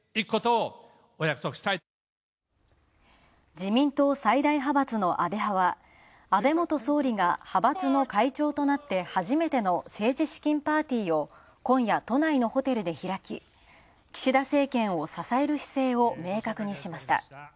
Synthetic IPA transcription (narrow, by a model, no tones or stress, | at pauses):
ikɯ̥kot̪oː | ojakɯ̟̥sokɯ̟̥ɕi̥t̪ai | d͡ʑimʲĩnt̪o̞ːsaid̪aiɦabat͡sɨno̞ʔabe̞ɦaβa | abe̞mo̞t̪o̞so̞ːɾʲiɡahabat͡sɨno̞kait͡ɕo̞ːt̪o̞nat̪ːe̞haʑime̞t̪e̞no̞se̞ːʑiɕi̥kʲĩmpaːt̪ʲiːo̞ | kõ̞ɰ̃jat̪o̞naino̞ho̞t̪e̞ɾɯ̟d̪e̞çiɾakʲḭ | kʲi̥ɕid̪ase̞ːkẽ̞ɰ̃o̞sasae̞ɾɯ̟çi̥se̞ːo̞me̞ːkakɯ̟ɲ̟iɕimaɕi̥t̪a̰